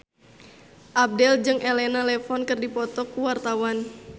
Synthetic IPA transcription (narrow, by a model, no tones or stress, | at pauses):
ʔap̚dɛld͡ʒɨŋʔelɛnalɛfɔnkɨrdipɔt̪ɔkːuwart̪awan